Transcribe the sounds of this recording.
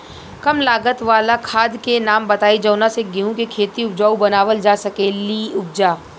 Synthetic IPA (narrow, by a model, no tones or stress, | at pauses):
kɐmlaːɡət̪ʋaːlakʰaːd̪kenaːmbɐt̪aːid͡ʒɐʊnaseɡɪɦũkekʰeːt̪iʊpd͡ʒaːubɐnaːʋəld͡ʒaːsɐkeːliʊp̚d͡ʒaː